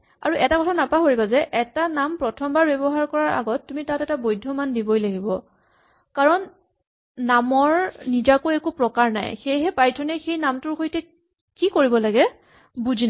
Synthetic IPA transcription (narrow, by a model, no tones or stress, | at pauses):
a̰ɹuʔɛtakɔtʰanapaɦoɹibazɛʔɛtanampɹɔtʰɔmbaɹbɛbɔɦaɹkɔɹaɹʔa̰ɡɔtːumitatɛtabojdʱːɔmandibojlaɡibɔ | kaɹɔnː | amɔɹnizakoɛkupɹɔkaɹna̰jxejɦɛpajtʰɔnɛxejnamtʊɹxojtɛ | kikoɹibɔlaɡɛ | buzina